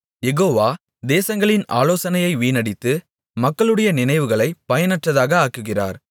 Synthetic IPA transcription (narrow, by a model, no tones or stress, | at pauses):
jɛɣoːʋaː | d̪eːsɐŋɡɐɭɪna̰ːloːsɐnɐjɐɪʋiːnɐɽɪt̪ːɯ | mɐkːɐɭɯɽɐjɐnɪnɐɪʋɯɣɐɭɐɪpːɐjɐnɐʈrɐðaːɣɐaːkːɯɣɪra̰ːɾ